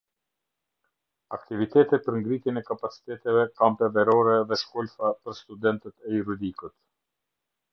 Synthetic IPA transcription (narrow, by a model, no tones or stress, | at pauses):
akt̪ivit̪ɛt̪ɛt̪̚pəɾŋɡɾit̪jɛnɛkapat͡si̥t̪ɛt̪ɛvɛkampɛvɛɾɔɾɛðɛʃkɔlfapəɾst̪ud̪ɛnt̪ɛt̪ɛjuɾud̪ikut̪